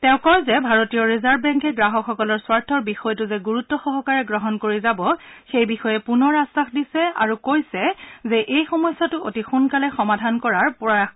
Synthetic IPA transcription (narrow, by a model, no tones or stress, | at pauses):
tɛʊ̃kɔjzɛbʱaɹotijɔɹizaɹbbɛŋkɛɡɹaɦɔkxɔkɔlɔɹswaɹtʰɔɹbixɔjtʊzɛɡuɹutːɔxɔbʱɔkaɹɛɡɹɔɦɔnkoɹizabɔxejbixɔjɛpunɔɹastaxdisɛa̰ɹukojsɛzɛʔejxɔmɔjsatʊotixunkalɛxɔmadʱankɔɹaɹpɔa